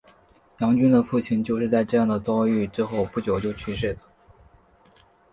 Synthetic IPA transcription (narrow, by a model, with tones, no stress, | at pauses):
jɑ˧˥ŋt͡ɕy˥nd̪ə˨fu˥˩t͡ɕʰi˧˥˩nt͡ɕjo˥˧ʊʂɻ̩˥˧t͡sa˥˧ɪʈ͡ʂɤ˥˧jɑ˥˩ŋd̪ə˩t͡sɑ˥ʊy˥˩ʈ͡ʂɻ̩˥xo˥˧ʊpu˥˩t͡ɕjo˨˩ʊt͡ɕjo˥˧ʊt͡ɕʰy˥˧ʂe˥˩d̪ə˩